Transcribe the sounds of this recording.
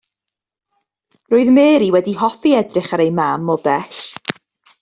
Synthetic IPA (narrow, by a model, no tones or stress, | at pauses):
roːɨðmeːɾiwɛdiɦɔfiɛdrɪχaɾejmamɔbɛɬ